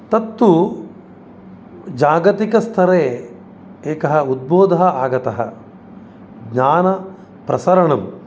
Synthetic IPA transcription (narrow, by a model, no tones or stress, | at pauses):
t̪ɐt̪ːu | d͡ʒaːɡɐt̪ikɐst̪ʰɐɾeː | eːkɐɦɐud̪̚boːd̪ʱɐɦɐaːɡɐt̪ɐɦɐ̰ | ɡɲaːnɐ | pɾʔɐsɐɾɐɳɐm